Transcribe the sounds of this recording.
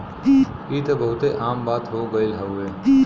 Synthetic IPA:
iːt̪ebɐɦʊt̪eʔaːmbaːt̪ɦoɡɐilɦaweː

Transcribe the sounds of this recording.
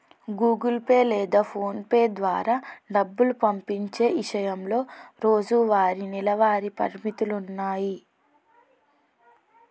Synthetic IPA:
ɡuːɡulpeːlɛːd̪aːpʰo̞ːnpeːd̪ʋaːɾaːɖɐbːulupɐmpiɲt͡ʃe̞ːʋiʂɐjɐmlo̞ːɾo̞ːd͡ʒuʋaːɾinilɐʋaːɾipɐ̰ɾmit̪ulunːaːji

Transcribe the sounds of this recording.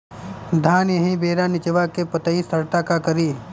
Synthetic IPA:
d̪ʱaːnjɐɦĩbeːɾanɪt͡ʃəʋakepɐt̪əist̪ʰəɾt̪akakəɾiː

